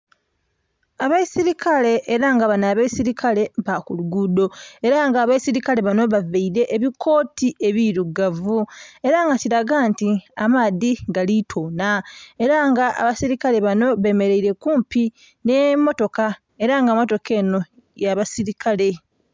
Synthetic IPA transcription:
aβaisiɾikʰale̞ʔːɾaŋɡaβanaːβaisiɾikʰale̞βakuluɡudo̞e̞ɾaŋɡaːβaisiɾikale̞βano̞βaveiɾe̞ʔeβikʰo̞ːtiʔe̞βiɾuɡavue̞ɾaŋɡatiɾaɡantiamaːðiɡalitʰo̞ːnae̞ɾaŋɡaa̰βasiɾikale̞βano̞βe̞me̞ɾe̞iɾe̞kuːmpi | ne̞mo̞to̞ka | e̞ɾaŋɡamo̞to̞ke̞ːno̞ | jaβasiɾikʰale̞

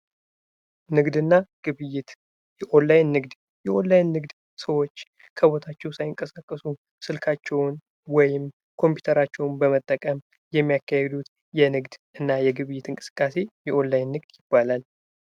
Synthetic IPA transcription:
nɨɡd̪ɨnːaɡ̥ɨβɨjɪt̪ | jɛʔolːajnːɨɡd̪ | jɛʔo̞lːajnːɨɡd̪ | səwo̞t͡ʃː | kʰəβo̞t̪ʰat͡ʃːɛwsajɪŋkʼəsakʼːəsu | sɨlkʰat͡ʃːɛwn | wɔjɪm | kʰo̞mpju̥t̪ʰəɾat͡ʃːɛwnbəmət̪ʼːəkʼəm | jɛmːijakːahɛd̪ut̪ | jɛnɨɡd̪ʔɨnːajɛɡɨβɨjːɪt̪ʰɨŋkʼɨsɨ̥kʼːase̞jɛʔo̞lːajnːɨɡd̪jɪbːalal

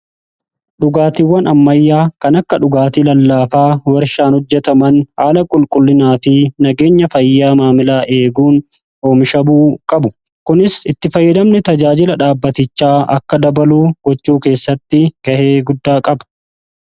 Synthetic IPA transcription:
ᶑʊɡaːt̪iwːɐnɐmːɐjːaːkɐnɐkːɐᶑʊɡaːt̪ilɐlːaːfaːwɐɾʃaːnhɔd͡ʒːɛt̪ɐmɐnhaːlɐkʼʊlkʼʊlːɪnaːfɪnɐɡe̞ːɲːɐfɐjːaːmaːmɪlaːʔe̞ːɡuːn | oːmʃɐbuːkʼɐbʊ | kʊnɪsɪt̪ːɪfɐjːɐd̪ɐmnɪt̪ɐd͡ʒaːd͡ʒɪlɐᶑaːbːɐt̪ɪt͡ʃːaːɐ̰kːɐd̪ɐbɐluːɡ̥ɔt͡ʃːuːke̞ːsːɐt̪ːɪɡ̥ɐheːɡʊd̪ːaːkʼɐbɐ̥

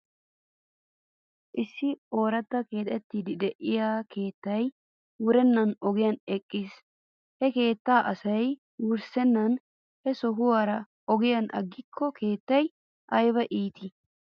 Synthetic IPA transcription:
ʔɪsːɪo̞ːɾɐt̪ːɐke̞ːt̪ʼɛt̪ːiːd̪ɪd̪ɛʔɪjaːke̞ːt̪ːɐj | wʊɾɛnːɐnɔɡɪjɐnɛkʼːɪs | hɛke̞ːt̪ːaːʔɐsɐj | wʊɾsɛnːɐn | hɛsɔɦʊwaːɾɐ | ʔɔɡɪjɐnʔɐ̰ɡːɪkʰːɔkʰe̞ːt̪ːɐj | ʔɐjbɐʔiːt̪ɪ

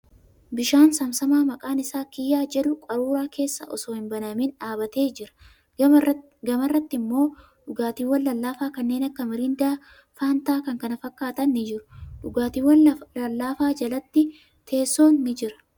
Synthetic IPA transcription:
bɪʃaːnsɐmsɐmaːmɐkʼaːnɪsaːkɪjːaːd͡ʒɛᶑʊkʼɐɾuːɾaːkʰe̞ːsːɐ̰ʔɔ̰soːhɪmbɐnɐmɪnᶑaːbɐt̪e̞ːd͡ʒɪɾɐ̥ | ɡɐmɐrːɐt̪ːɪmːo̞ː | ᶑʊɡaːt̪iːwɐlːɐlːaːfaːkɐnːe̞ːnɐkːɐmɪɾɪnd̪aː | faːnt̪aːkɐŋkɐnɐfɐkːaːt̪ɐnːɪd͡ʒɪɾʊᶑʊɡaːt̪iːwɐɐlːaːfaːd͡ʒɐlɐt̪ːɪ | t̪ʰe̞ːsːo̞ːnːɪd͡ʒɪɾɐ̥

